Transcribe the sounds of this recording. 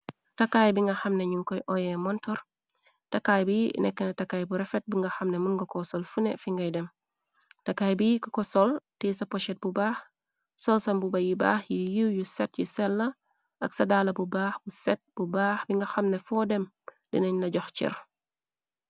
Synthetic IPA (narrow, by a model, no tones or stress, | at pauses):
tɐkajbiŋɡɐxɐmneɲuŋkɔjʔɔjɛmɔntɔɾ | takːaːjbinɛkːɛnɐtakːajbuɾɛfɛt̚biŋɡɐxɐmnemunɡɐkɔsɔlfunefiŋɡɐjdɛm | takaːjbikɔkɔsɔltisɐpɔʃɛt̚bubaːx | sɔlsɐmbubɐjiba̰ːxjijiwjusɛt̚jusɛlːɐ | ɐksɐdaːlɐbubaːxbusɛt̚b̥ubaːxbiŋɡɐxɐmnefɔdɛm | dḭnɐɲnɐɟɔxt͡ʃḭɾ